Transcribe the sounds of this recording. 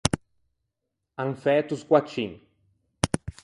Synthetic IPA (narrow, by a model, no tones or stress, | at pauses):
aŋfɛːt̪uskwat͡ʃːin